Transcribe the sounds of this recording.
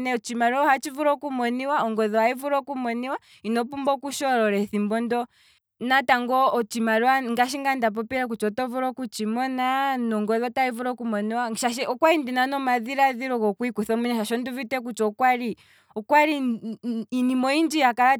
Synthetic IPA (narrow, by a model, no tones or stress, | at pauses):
nɛɔt͡ʃimaɾɔɔhat͡ʃivuɾɔkumɔniwaɔŋɡɔðɔhaivuɾɔkumɔniwa | inɔpumbɔkuʃɔɾɔɾɛθimbɔndɔ | nataŋɡɔːt͡ʃimaɾuwaŋɡaʃ̬iŋɡandap̬ɔpiɾak̬ut͡ʃɔtɔvuɾɔkut͡ʃimɔnanɔŋɡɔðɔtaivuɾɔkumɔniwaʃaʃ̬ɛɔkwaɾindinanɔmaðiɾaðiɾɔkɔkwikuθɔmuɲɛʃaʃɔnduvitɛk̬ut͡ʃɔkwaɾi | ɔkwaɾiː | nimɔind͡ʒijakaɾa